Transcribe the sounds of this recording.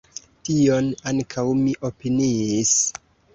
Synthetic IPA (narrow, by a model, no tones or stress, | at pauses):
tio̞naŋkʰawmiʔo̞piniːs